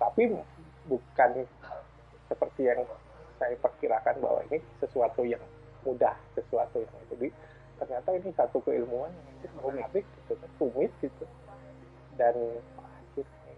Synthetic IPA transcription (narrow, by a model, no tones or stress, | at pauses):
t̪api | bukan | səpərt̪ijaŋ | sajapərkiɾakanba̰wa̰ḭnisəsuat̪ujaŋ | mudahsəsuat̪ujaŋit̪udi | t̪ərɲat̪ainisat̪ukəilmuanjaŋit̪ibəɾʊmabɪk̚ɡit̪ut̪t̪umɪt̪̚ɡit̪u | danakir | i